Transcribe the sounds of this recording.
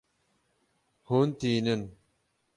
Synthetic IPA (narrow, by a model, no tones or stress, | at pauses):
hont̪inən